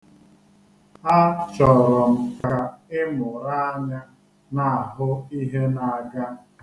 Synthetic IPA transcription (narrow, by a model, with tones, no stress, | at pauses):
a˦t͡ʃɔ˨ɾɔ˨m̩˨ka˨ɪ˦mʊ˨ɾa˦a˦ɲa˦ | na˨a˨ɦʊ˦i˦ɦe˦na˨a˨ɡa˦